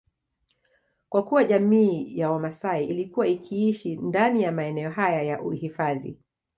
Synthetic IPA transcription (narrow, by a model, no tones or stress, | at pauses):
kwakuwaʄamiːjawamasaiʔilikuwaikʰiiʃindanijamaɛnɛɔɦajajaʔuhifaðḭ